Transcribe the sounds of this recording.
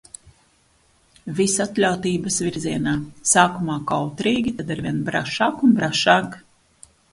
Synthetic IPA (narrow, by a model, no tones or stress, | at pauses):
visat̪lʲawt̪iːbɐsviɾzʲiɛnaːsaːkumaːkawt̪ɾiːɡʲit̪ad̪aɾvʲiɛnbɾa̰ʃaːkunbɾaʃaːk